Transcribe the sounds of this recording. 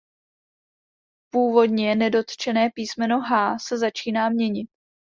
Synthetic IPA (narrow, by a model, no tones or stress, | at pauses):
puːvo̞dɲɛnɛdo̞t̪t͡ʃɛnɛːpiːsmɛno̞ɦaːsɛzat͡ʃiːnaːmɲɛɲɪt̪̚